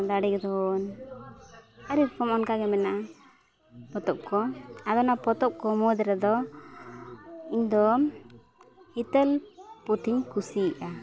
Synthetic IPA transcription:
d̪aɽiɡɛd̪ɔn | aɾiɾpʰɔmɔnkaɡɛmɛna | pɔt̪ɔp̚kɔad̪ɔnapɔt̪ɔp̚kɔmɔd̪ɛɾɛd̪ɔ | iɲd̪ɔ | hit̪ɛlpɔt̪ʰiɲkusiʔa

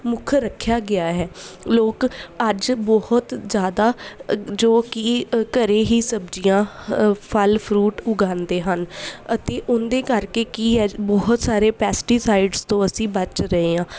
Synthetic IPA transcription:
mʊkʰɾəkʰːjaːɡɪaːɦɛːloːkəd͡ʒbɔhʊt̪zjaːd̪aːd͡ʒoːkiːkəɾeːɦiːsəbd͡ʒijãːpʰəlpʰɾuːʈʊɡãːnd̪eːɦənət̪eːʔʊnd̪eːkəɾkeːkiːɦɛːbɔɦʊt̪saːɾeːpɛːsʈiːsaːɪɖzt̪õːəsĩːbət͡ʃɾəeːãː

